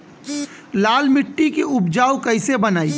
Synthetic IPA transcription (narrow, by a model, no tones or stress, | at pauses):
laːlmɪʈːikeʊpd͡ʒaːwkɐɪsebɐnaːiː